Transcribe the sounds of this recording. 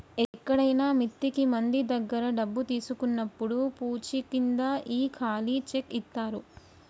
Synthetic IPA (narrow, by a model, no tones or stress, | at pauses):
ɛkːɐɽɐjnaːmit̪ːikimɐnd̪id̪ɐɡːɐɾɐɖɐbːut̪iːsukunːɐpːuɽupuːt͡ʃikind̪aːʔiːkʰaːlit͡ʃekːit̪ːaːɾu